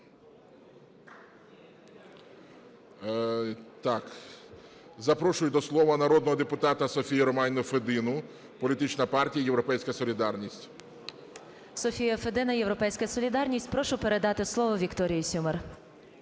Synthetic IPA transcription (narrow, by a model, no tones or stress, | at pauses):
t̪ɑk | zɐpɾɔʃʊjʊd̪ɔslˠɔʋɐnɐɾɔd̪̚nɔɦɔd̪epʊt̪ɑt̪ɐsɔfʲijɐɾɔmɑnʲnʊfed̪ɪnʊ | pɔlʲit̪ɪt͡ʃnɐpɑrtʲijɐjewɾɔpɛjsʲkɐsɔlʲid̪ɑrnʲisʲtʲ | sɔfʲijɐfed̪ɪnɐjewɾɔpɛjsʲkɐsɔlʲid̪ɑrnʲisʲtʲpɾɔʃʊpeɾe̞d̪ɑt̪ɪslˠɔʋɔʋʲikt̪ɔɾʲijisʲumer